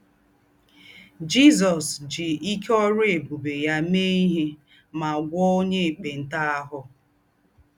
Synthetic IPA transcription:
d͡ʒi˦zɔ˨sd͡ʒɪ˨i˦kɔ˦ɾʊ˦e˨bu˨be˨ja˦me˦i˦ɦi˦ | ma˨ɡʷɔ˦o˦ɲe˦e˨k͡pe˨n̩˦ta˦a˦ɦʊ˦

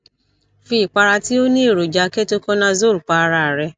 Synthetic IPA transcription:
fi˧˨k͡pa˧ɾa˧ti˦o˦nĩ˦˨ɾo˨d͡ʒa˨˦ke˦to˦kɔ˦nã˧zo˦˨ɾu˨k͡pa˧ɾa˨ɾɛ˧

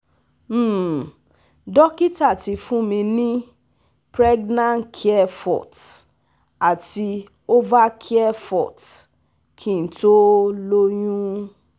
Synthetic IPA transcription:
m̩˦˨ | dɔ˦ki˦ta˦˨ti˧fũ˦mĩ˧nĩ˦ | pɾɛ˦ɡnã˦nkʰi˦ɛ˦fɔ̰˨t | a˨ti˧ | o˦va˦kʰi˦ɛ˦fɔ̰˨t | kʰĩ˦˨n̩˨to˦lo˦jũ˦

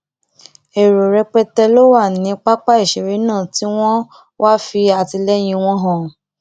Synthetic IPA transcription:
e˨ɾo˨ɾɛ˧k͡pɛ˧tɛ˧lo˦wa˦˨nĩ˨˦k͡pa˦k͡pa˦i˦˨ʃe˨ɾe˨˦nãː˦˨ti˦w̃ɔ̃˦ | wʔa˦fi˧a˨ti˧lɛ˦j̃ĩ˧w̃ɔ̃˦ɦɔ̃˦˨

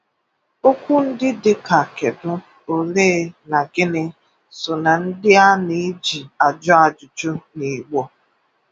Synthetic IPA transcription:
o˦kʷʊ˦n̩˦dɪ˦dɪ˦ka˨ke˨dʊ˦ | o˨leː˦na˨ɡɪ˦nɪ˦ | sʊ˨na˨n̩˦dɪ˦a˦ni˨˦d͡ʒi˨a˨d͡ʒɔ˦a˨d͡ʒʊ˨t͡ʃʊ˦ni˨ɡ͡bɔ˦

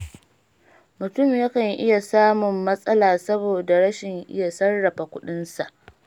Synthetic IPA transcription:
mʊ˨tʊ˦˨mjɐ˦kɐ˨ŋʔɪ̰˦ja˨saː˦mʊ˨mːɐ˦sʼɐ˦laː˨sɐ˦boː˨da˨ɽɐ˦ʃɪ˨ŋʔɪ̰˦ja˨sɐ˦rːɐ˨ɸa˨kʷʊ˦ɗɪ˦nsa˨ʔ

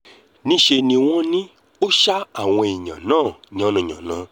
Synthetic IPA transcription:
nĩ˦ʃe˧nĩ˧w̃ɔ̃˦nĩ˦ | o˦ʃa˦a˦˨w̃ɔ̃˧e˨ɲã̰˨nãː˦˨ɲã˨˦nã˧˨ɲ̃ã̰˨nã˨˦

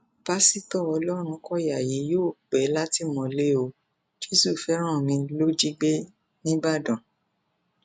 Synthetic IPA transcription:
b̥a˦si˦tɔ˦˨ɔ˧lɔ˦ɾ̃ũ˧kɔ˦ja˨ji˨˦joː˦˨ɡ͡bɛ˨˦la˦ti˦mɔ̃˨˧le˦o˧ | d͡ʒe˦su˦˨fɛ˨˦ɾ̃ã˦˨mĩ˧lo˦d͡ʒi˦ɡ͡be˦ | nĩ˦ba˦˨dɔ̃˨

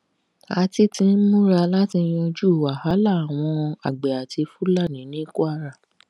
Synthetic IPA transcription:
a˧ti˦tĩ˧n̩˦mũ˦ɾa˧la˦ti˧j̃ɔ̃˧d͡ʒu˦˨wa˨ha˨˦la˦˨a˨w̃ɔ̃˧a̰˨ɡ͡be˨a˨ti˧fu˦la˦˨nĩ˨˦nĩ˦ku˦a˦˧ɾa˦˨

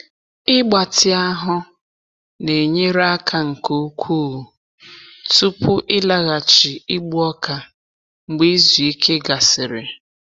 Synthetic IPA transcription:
ɪ˦ɡ͡ba˨tɪ˦a˦ɦʊ˦ | ne˨ɲe˦ɾa˦kʰa˨ŋ̩˨ko˦u˦kʷʰuː˦˨ | tu˦pʊ˦ʔɪ˦la˦ɣa˨t͡ʃi˨i˦ɡ͡bu˦ɔ˦ka˨ | ŋ͡m̩˨ɡ͡be˦i˦zu˨i˦kʰe˦ɡa˨sɪ˨ɾɪ˨

